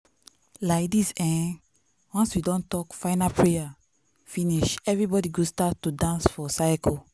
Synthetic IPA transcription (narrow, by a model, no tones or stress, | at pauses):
laɪkdisɛ̃n | wãnswidɔ̃ntɔkfaɪnapʰɹeja | fĩniʃɛvɹibɔdiɡostatːudãnsfɔsajkɔ